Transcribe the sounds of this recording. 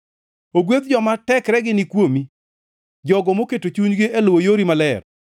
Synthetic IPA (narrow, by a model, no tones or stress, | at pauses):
oɡwet̪d͡ʒɔmatɛkɾɛɡɪnɪkwomi | d͡ʒɔɡɔmoketot͡ʃuɲɡɪʔelwojoɾimalɛr